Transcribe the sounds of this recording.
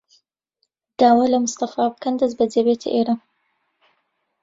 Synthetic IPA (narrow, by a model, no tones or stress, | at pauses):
d̪̥aːwaːlɐmʊst̪ɐfaːbɨkʰɐnd̪ɐzbɐd͡ʒebet̪ʰə̰ʔeːɾa